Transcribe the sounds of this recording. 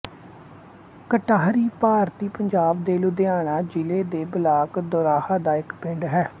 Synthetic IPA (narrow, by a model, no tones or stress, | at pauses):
kəʈaːɦɾiːpaːɾt̪iːpəɲd͡ʒaːbd̪eːluːd̪eaːɳaːd͡ʒɪleːd̪eːbəlaːkd̪oːɾaːhaːd̪aːɪkpɪ̃ɳɖɦɛː